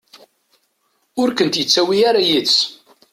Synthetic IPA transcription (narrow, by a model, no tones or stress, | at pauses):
ʊɾkənt̪jət͡sːæwiaɾajis